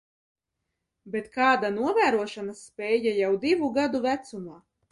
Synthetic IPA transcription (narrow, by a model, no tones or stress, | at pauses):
bet̪kaːd̪anuɔvæːɾuɔʃanasːpʲɛːjajawd̪ivuɡad̪uvæt̪sumaː